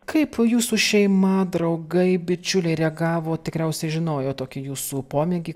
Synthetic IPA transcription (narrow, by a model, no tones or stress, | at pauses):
kɐɪpjuːsuːʃʲɛɪmɐd̪ɾɐʊɡɐɪbʲɪt͡ʃʲʊlʲɛɪɾʲɛɡɑːʋoːt̪ʲɪkɾʲɛʊsʲɛɪʒʲɪnoːjoːt̪oːkʲɪjuːsuːpoːmʲɛɡʲi